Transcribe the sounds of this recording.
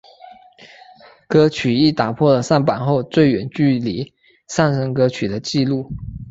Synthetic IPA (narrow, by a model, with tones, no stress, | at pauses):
kɤ˥t͡ɕʰy˨˩i˥˩t̪a˨˩pʰwɔ˥˩lə˩sa˥˩npa˨˩nxo˥˧ʊt͡swe˥˩ɪɥɛ˨˩nt͡ɕy˥˩li˨˧˥ | sa˥˩nʂə˥ŋkɤ˥t͡ɕʰy˨˩d̪ə˦t͡ɕi˥˧lu˥˩